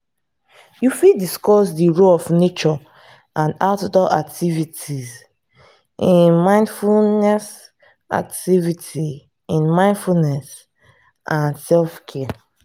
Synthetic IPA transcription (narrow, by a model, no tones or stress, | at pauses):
jufidiskɔsdiɹoɔfnet͡ʃɔ | ʔãndatdɔʔak̚tʰivitʰiz | ʔĩnmãɪ̃ndfunɛs | a̰k̚tivitʰi | ĩnmãɪ̃ndfunɛs | ʔãnsɛlfkʰɛ